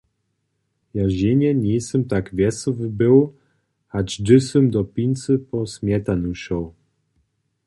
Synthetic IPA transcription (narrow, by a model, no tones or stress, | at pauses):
jaʑeɲɛɲɛjsɛmt̪akvʲjɛsɔvbɘw | had͡ʒd̪ɘsɛmd̪ɔpʲinʲt̪sɨpɔsmʲjɛt̪anuʃɔw